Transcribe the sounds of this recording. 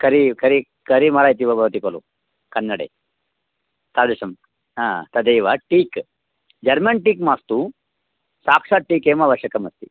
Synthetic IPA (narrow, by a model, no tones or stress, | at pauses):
kɐɾikɐɾi | kɐɾimɐɽaːjt̪iʋɐbɐʋɐt̪ikolṵ | kɐnːɐɽḛ | t̪ad̪ɐsɐm | ɦãːt̪ɐd̪ejʋɐʈiːk | d͡ʒɐɾmɐnʈiːkmaːst̪u | saːkʂaʈiːkeːmaːʋɐʂjɐkɐmɐst̪i